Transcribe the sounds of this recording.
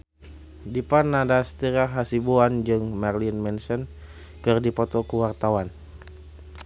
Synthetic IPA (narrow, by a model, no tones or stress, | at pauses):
dipanːadast̪iɾaɦasiboand͡ʒɨŋmarlinmɛnsɔn | kɨrdipɔt̪ɔkəwart̪awan